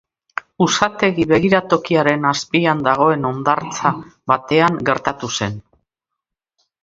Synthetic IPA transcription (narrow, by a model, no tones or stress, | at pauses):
usat̪e̞ɣiβe̞ɣiɾat̪o̞kiaɾe̞naspiand̪aɣ̞o̞e̞no̞nd̪aɾt͡saβat̪e̞aŋɡe̞ɾt̪at̪use̞n